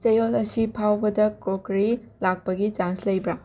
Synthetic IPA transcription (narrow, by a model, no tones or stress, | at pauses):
t͡ʃɐjolɐsipʰawbɐdɐkɾokɾi | lak̚pɐɡit͡ʃanslɐjbɾa